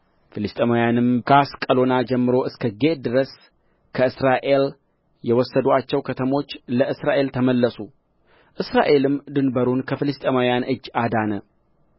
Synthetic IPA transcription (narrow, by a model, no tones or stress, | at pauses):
fɨlɨst̪ʼemawjanɨmkaskʼəlo̞nad͡ʒɛmːɨɾo̞ɨskʰəɡe̞d̪ɨɾəs | kʰəɨsɾaʔe̞l | jɛwɔsːəd̪uat͡ʃːɛwkʰət̪ʰəmo̞t͡ʃːləɨsɾaʔe̞lt̪ʰəməlːəsu | ʔɨsɾaʔe̞lɨmd̪ɨnbəɾunkʰəfɨlɨst̪ʼemawjanɨd͡ʒːad̪anə